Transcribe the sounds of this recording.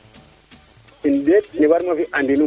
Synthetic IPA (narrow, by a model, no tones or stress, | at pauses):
indetniwaɾmafiʔandinu